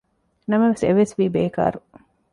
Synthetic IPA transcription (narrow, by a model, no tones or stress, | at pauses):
nɐmɐʋeseʋesʋiːbeːka̰ːɾu